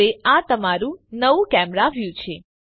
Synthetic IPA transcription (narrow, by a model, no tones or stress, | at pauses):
eat̪əmaɾũnəʋũkɛmɾaʋjũt͡ʃʰe